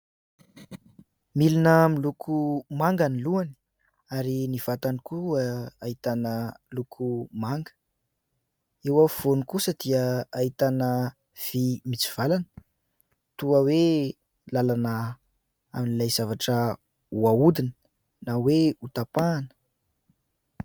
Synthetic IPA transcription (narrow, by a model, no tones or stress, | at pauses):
milinəmilukʰumaŋɡaniluani̥ | aɾiniv̥at̪anikuaait̪anəlukʰumaŋɡə̥ | ewav̥onikusəd̪̥iəait̪anə | v̥imit͡si̥v̥alanə̥ | t̪uəwe | lalana | aminilajzavaʈ͡ʂə | uaud̪inə | naweut̪apaːnə̥